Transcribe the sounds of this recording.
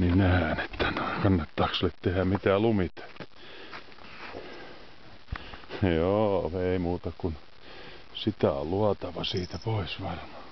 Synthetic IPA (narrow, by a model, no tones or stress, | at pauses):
ninæhæne̥t̪ːænoiŋkɑnːɑt̪ːɑːkselːet̪t̪ehæmit̪æːlumit̪e̥tː | joːeimuːt̪ɑkun | sit̪æo̰lluɑt̪ɑʋɑsiːt̪æpoisʋɑrmɑ̥ː